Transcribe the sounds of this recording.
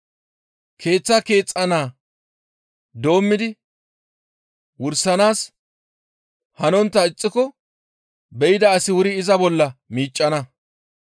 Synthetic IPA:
kʰe̞ːt͡sːɐke̞ːt͡sʼːɐnaː | d̪o̞ːmːɪd̪ɪ | wʊɾsɐnaːs | hɐnɔnt̪ːɐɪt͡sʼːɪkɔ | bɛjɪd̪ɐːsɪwʊɾɪɪzɐbɔlːɐmiːt͡ʃʼːɐnɐ

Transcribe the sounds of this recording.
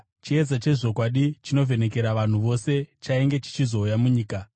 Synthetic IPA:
t͡ʃied͡zat͡ʃe̞ʐo̞kwaɗit͡ʃino̞ve̞ne̞ke̞ɾaʋan̤uʋo̞se̞t͡ʃaiŋɡe̞t͡ʃi̥t͡ʃizo̞ujamuɲiːka

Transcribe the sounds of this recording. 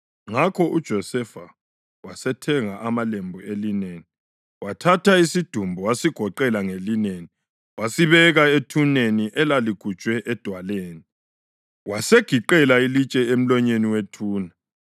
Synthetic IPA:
ŋakʰɔʔud̥ʒ̥ʱɔsɛfa | wasɛtʰɛŋaʔamalembʱuelineːni | watʰatʰaisid̥ʱumbʱɔwasiɡ̥ʱɔǃɛlaŋelineːni | wasiβɛɣaetʰuneniʔɛlaliɡ̥ʱu̥t͡ʃʼwɛʔɛd̥ʱwaleːni | waseɡ̥ʱiǃɛlailit͡ʃʼɛem̩lɔɲeniwetʰuːna

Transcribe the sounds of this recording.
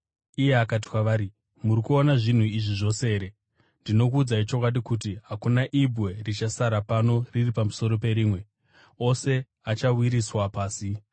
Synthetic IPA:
ije̞akat̬i̥kwaʋaːɾi | murikuonaʐin̤uiʐiʐo̞seːɾe̞ | ndino̞kuːd͡zait͡ʃo̞kwaɗikutiɦakunaʔibwe̞rit͡ʃasaɾapano̞riripamuso̞ɾo̞pe̞ɾiːmwe̞ | o̞se̞ | at͡ʃawiɾiswapaːsi

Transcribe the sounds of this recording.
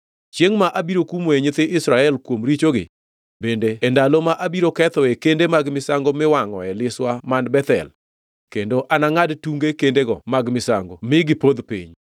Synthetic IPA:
t͡ʃjeŋmaʔabiɾokumweɲɪt̪ɪʔɪsɾaɛlkwomɾit͡ʃoɡɪ̰ | bendeːndalomaʔabiɾokɛt̪ɔekendemaɡmɪsaŋɡomɪwaŋɔ̰ɛlɪswamanbɛt̪ɛ̰l | kendoʔanaŋadtuŋɡekendeɡɔmaɡmɪsa̰ŋɡomɪɡɪpod̪pḭɲ

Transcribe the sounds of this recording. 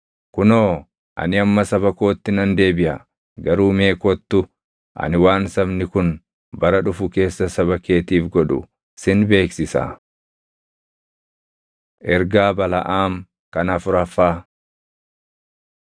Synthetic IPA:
kʊnoː | ʔɐ̰nɪɐmːɐsɐβɐko̞ːt̪ːɪnɐnd̪e̞ːbɪʔɐ | ɡɐɾuːme̞ːkɔt̪ːʊ | ʔɐ̰nɪwaːnsɐbnɪkʊn | bɐɾɐᶑʊfʊke̞ːsːɐsɐβɐke̞ːt̪iːfɡɔᶑʊ̰ | sɪnbe̞ːksɪsa̰ː | ʔɛɾɡaːbɐlɐ̰ʔaːm | kɐnɐfʊɾɐfaː

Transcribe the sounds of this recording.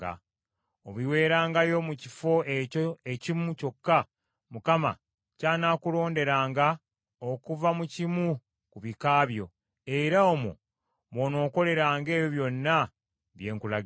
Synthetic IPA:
a̰ | oβiwe̞ːɾaːŋɡajo̞mucifo̞eoecimuco̞kːa | mukama̰ | caːnaːkulo̞ːnde̞ɾaːŋɡa | okuvamucimu | kuβikaːβjo̞ | e̞ɾaomo̰ | βo̞no̞ːko̞le̞ɾaːŋɡe̞ːβjoβjo̞nːa | βje̞ːŋkula

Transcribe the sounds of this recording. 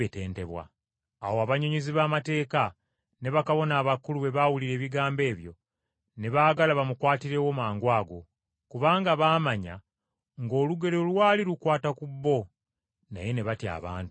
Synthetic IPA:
ete̞ːnte̞βwa̰ː | woaβaɲoɲiziβaːmate̞ːka | ne̞βakaβo̞naːβakuluβe̞βawuliɾe̞ːβiɡaːmbe̞ːβjo̞̰ | ne̞βaːɡalaβamukwaːtiɾe̞wo̞maːŋɡwaːɡo̞ | kuβaːŋɡaβaːmaɲa̰ | ŋɡo̞ːluɡe̞ɾolwaːliɾukwaːtakubːo̞ | na̰je̞ne̞βatja̰ːβa̰ːntu

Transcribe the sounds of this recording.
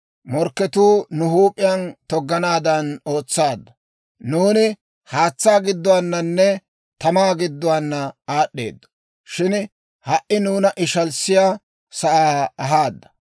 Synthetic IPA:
mɔɾkːɛt̪uːnʊɦuːpʼːɪjɐnt̪ɔɡːɐnaːd̪ɐno̞ːt͡sːaːd̪ːɐ | nuːnɪ | haːt͡sːaːɡɪd̪ːɔwaːnːɐnːɛ | t̪ɐmaːɡɪd̪ːʊwaːnːɐaːɗːe̞̰ːd̪ːɔ̥ | ʃɪn | hɐʔɪnuːnɐʔɪʃɐlsɪjaː | sɐʔaːɐɦaːd̪ːɐ̥

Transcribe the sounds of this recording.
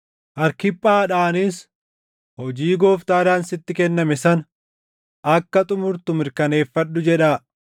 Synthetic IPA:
ʔɐɾkɪpʼːaːᶑaːnɪs | hɔd͡ʒiːɡo̞ːft̪aːɾaːnsɪt̪ːɪkɛnːɐmɛsɐn | ɐkːɐt̪ʼʊmʊɾt̪ʊmɪɾkɐne̞ːfːɐᶑːʊd͡ʒɛᶑaː

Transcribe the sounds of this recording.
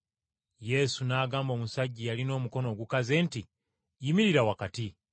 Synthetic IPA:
je̞sunaːɡaːmbo̞ːmusaɟːijalino̞ːmuko̞no̞ːɡukaze̞ːnti | jimiɾiɾawakati

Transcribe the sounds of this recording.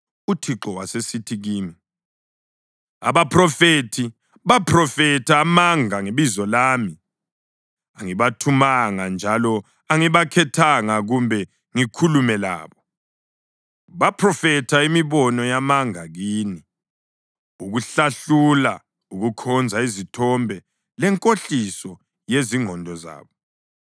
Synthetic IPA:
utʰiǁɔwasesitʰiɣiːmi | a̰βapʰrɔfetʰi | βapʰrɔfɛtʰamaŋaŋeβizɔlaːmi | aŋiβatʰumaŋand͡ʒʱalɔ | aŋiβakʰɛtʰaŋaɣumbʱɛ | ŋikʰulumɛla̰ːβɔ | βapʰrɔfɛtʰaimiβɔnɔjamaŋaɣiːni | uɣuɬaɬula | uɣukʰɔnd͡zʱaizitʰɔmbʱɛ | lɛŋkʼoɬisɔ | jeziŋɔndʱɔza̰ːβɔ

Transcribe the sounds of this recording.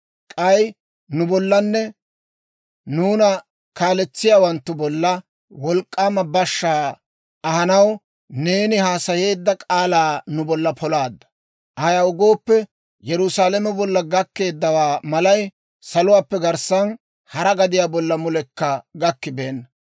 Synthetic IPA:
kʼɐj | nʊbɔlːɐnːɛ | nuːnɐ | kaːlɛt͡sːɪjaːwɐnt̪ːʊbɔlːɐ | wɔlkʼːaːmɐbɐʃːaː | ɐhɐnɐw | ne̞ːnɪhaːsɐje̞ːd̪ːɐkʼaːlaːnʊbɔlːɐpʰɔlaːd̪ːɐ̥ | ʔɐɐjaːʊɡo̞ːpːɛ | jɛɾʊsaːlɛmɛbɔlːɐɡɐkːe̞ːd̪ːɐwaːmɐlɐj | sɐlʊwaːpːɛɡɐɾsɐn | hɐɾɐɡɐd̪ɪjaːbɔlːɐmʊlɛkːɐɡɐkːɪbe̞ːnːɐ

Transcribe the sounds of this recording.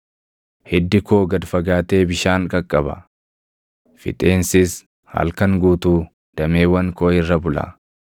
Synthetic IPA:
hɛd̪ːɪkoːɡɐd̪fɐɡaːt̪e̞ːbɪʃaːŋkʼɐkʼːɐbɐ̰ | fɪ̰t̪ʼe̞ːnsɪs | hɐ̰lkɐŋɡuːt̪uː | d̪̥ɐme̞ːwɐŋkoːɪrːɐbʊlɐ̰

